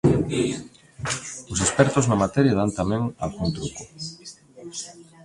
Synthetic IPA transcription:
ʊsespɛɾt̪ʊznamat̪ɛɾjað̞ant̪amɛ̃ŋa̰lɣuŋt̪ɾukʊ

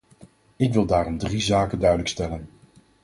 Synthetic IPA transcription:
ɪkʋɪlˠdaːrɔmdrizaːkəndœɥdələkstɛlən

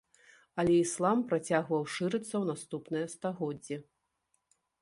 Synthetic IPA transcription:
ɐlʲɛislˠampɾat͡sʲaɣvɐwʂɨɾɨt̪sːɐwnast̪upnɨjɐst̪aɣɔd͡zʲːɛ

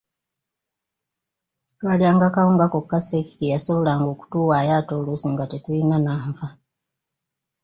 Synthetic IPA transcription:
twaliaːŋɡakaoŋɡakokːaseki̥kejasoβolaŋɡoku̥tuwajatolusuŋɡatetuinanaɱfa

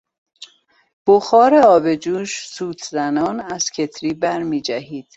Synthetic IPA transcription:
b̥oxɒːɾeɒːbe̞d͡ʒuːʃsuːt̪ʰzænɒːnæz̥cʰe̞t̪ʰɾiːbæɾmiːd͡ʒæhiːd̪̥

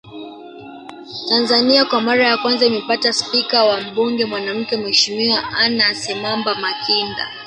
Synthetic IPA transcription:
tanzaniakwamaɾajakwanzaumɛpataspikawam̩ɓuŋɡɛmwanam̩kɛmwɛʃimiwaʔanasɛmambamakʰinda̰

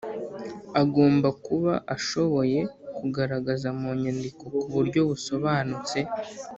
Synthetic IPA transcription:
aɡo̞ːmbakuβa̰ʔaʃo̞βo̞je̞kuɡaɾaɡazamoɲandiko̞kuβuɾɟo̞βuso̞βaːnut͡se̞

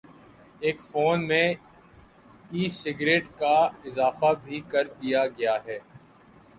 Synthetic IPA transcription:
eːkfoːnmẽ | iːsɪɡɾeːʈkaɪzaːfabʱikɐɾd̪ijaɡɐjaɦɛː

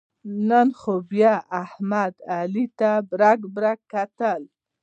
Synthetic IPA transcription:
nənxobjɑahmad̪alit̪abɾaɡbɾakːat̪əl

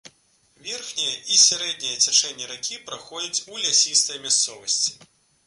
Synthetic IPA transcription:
vʲɛrxnʲijɐʔisʲaɾɛd̪̚ʲnʲijɐt͡sʲat͡ʂɛnʲːɛɾakʲipɾaxɔd͡zʲɐt͡sʲulʲasʲist̪ɐjmʲast̪sɔvɐsʲt͡sʲi̥

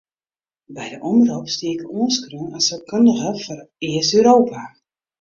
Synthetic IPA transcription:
bɛjdəʔɔməroːpstiəkəoənskronasɔkʰøndəɣəfɔrɪəsøːɾoːpʰa

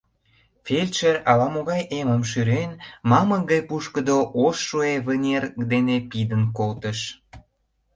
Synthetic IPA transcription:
felʲt͡ʃerɑlɑmoɣɑjʔeməmʃ̬yɾenmɑməɡəjpuʃkəd̪oʔoʃːueβənʲerkd̪enepid̪ənkolt̪ə̆ʃ

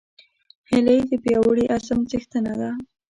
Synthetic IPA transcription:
hɪləjd̪əpjɑwəɽiʔasamt͡sixt̪anad̪a

